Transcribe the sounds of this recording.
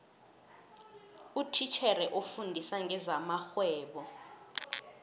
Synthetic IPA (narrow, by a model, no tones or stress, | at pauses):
utʰit͡ʃʰɛɾɛʔofundʱisaŋɡʱɛzamaxwɛːɓɔ